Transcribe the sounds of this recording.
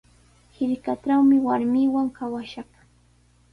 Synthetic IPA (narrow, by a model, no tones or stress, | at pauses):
hɪɾkaʈ͡ʂawmɪwaɾmɪwaŋkʰawaʃaχ